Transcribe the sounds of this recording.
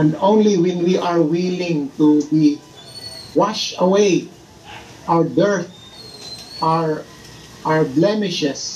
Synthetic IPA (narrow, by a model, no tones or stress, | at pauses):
ɛ̃nd̪õw̃nliwɛ̃nwiʔaɹwilɪ̃ŋt̪ubi | waʃɐwej | ʔaɹdɛɹθ̚ | ʔaɹ | ʔaɹblɛmɪʃɛs